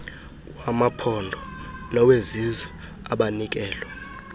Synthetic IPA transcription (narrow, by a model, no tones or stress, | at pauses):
wamapʰɔndʱɔnɔwezizɛ | aɓanik̬ɛːlwɛ